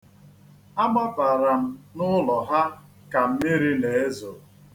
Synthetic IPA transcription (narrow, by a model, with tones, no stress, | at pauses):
a˦ɡ͡ba˦ba˨ɾa˨m̩˦nʊ˦lɔ˨ɦa˦ | ka˨m̩˦mɪ˦ɾi˦ne˨e˦zʊ˨